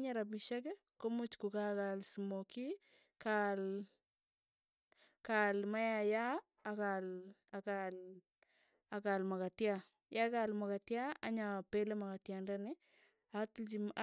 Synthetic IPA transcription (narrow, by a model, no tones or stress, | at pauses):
ɲaɾabiʃak̬ɛ | komut͡ʃkukakalsumoki | kal | kalmajajaː | kalakal | akalmakatja | jakalmakatjaaɲapelemakatjandanɪ | atlt͡ʃim